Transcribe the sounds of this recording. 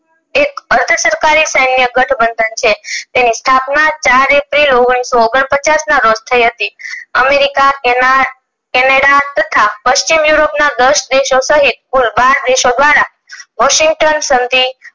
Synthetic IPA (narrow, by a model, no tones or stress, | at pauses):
ekəɾd̪ʱəsəɾkaɾisəjnːjəɡəʈʰbənd̪ʱənt͡ʃʰet̪enist̪ʰapnat͡ʃaɾepɾiloɡɽ̃isooɡəɳpət͡ʃasnaɾod͡ʒt̪ʰəiɦət̪iəmeɾika | kɛnaɽat̪ət̪ʰapəʃt͡ʃimjuɾopnad̪əʃd̪eʃosəɦit̪̚kulbaɾd̪eʃod̪ʋaɾa | ʋɔʃiŋɡ̚ʈənsənd̪i